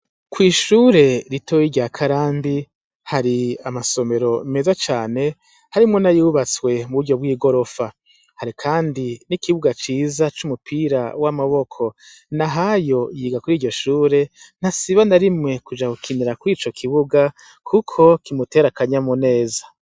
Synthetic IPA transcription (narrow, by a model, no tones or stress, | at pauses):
kwiːʃuːɾe̞ɾitʰojiɾɟaːkʰaɾaːmbi | haɾiamaso̞me̞ɾo̞me̞zat͡ʃaːne̞ | haɾimŋo̞najuβat͡swe̞muβuɾɟo̞β̚wiːɡo̞ɾo̞fa | haɾikʰaːndinikiβuɡat͡ʃiːzat͡ʃumupʰiɾa̰wamaβo̞kʰo̞ | naɦajo̞jiːɡakuɾiːɟo̞ʃuːɾe̞n̥asiβanaɾimŋe̞kud͡ʒakukʰiniɾakuɾiːt͡ʃo̞kʰiβuɡa | kʰukʰo̞kimute̞ːɾakaɲamone̞ːzḁ